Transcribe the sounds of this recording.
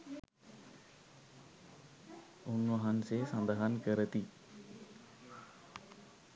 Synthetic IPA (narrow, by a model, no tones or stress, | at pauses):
unʋɐɦənseːsɐnd̪əɦankəɾət̪i